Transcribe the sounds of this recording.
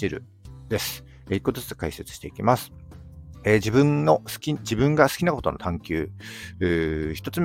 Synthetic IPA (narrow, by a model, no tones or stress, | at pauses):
iɾɯ̟̰ | d̪̥e̞sɨ̥ | eikːot̪ozɨɨt͡skaise̞t͡sɨ̥ɕi̥t̪eikʲimasɨ̥ | ed͡ʑibɯ̟̃nːo̞sɨ̥kʲid͡ʑibɯ̟̃ŋɡasɨ̥kʲinako̞t̪o̞no̞t̪ʰãŋkʲɨːɯːçi̥t̪ot͡sɨm